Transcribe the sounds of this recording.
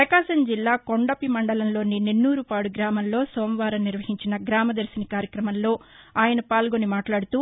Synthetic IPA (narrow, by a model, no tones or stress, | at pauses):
pɾɐkaːʃɐɲd͡ʒilːaːko̞ɳɖɐpimɐɳɖɐlɐmlo̞ːninenːuːɾupaːɽuɡɾaːmɐmlo̞ːsoːmʋaːɾɐmnːiɾʋɐɦiɲt͡ʃinɐɡɾaːmɐd̪ɐɾsinikaːɾjɐkɾɐmɐmlo̞ː | aːjɐnɐpaːlɡo̞nimaːʈlaːɽut̪uː